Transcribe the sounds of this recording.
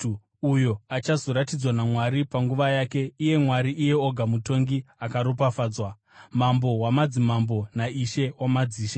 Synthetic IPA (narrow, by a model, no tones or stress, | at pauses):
ujo̞at͡ʃazo̞ɾatid͡zwanamwaɾipaŋɡuʋajake̞ije̞mwaɾiʔːje̞oɡʱamuto̞ŋɡiakaɾop̬afaːd͡zwa | mambo̞wamad͡zimambo̞naiʃe̞wamad͡ziːʃe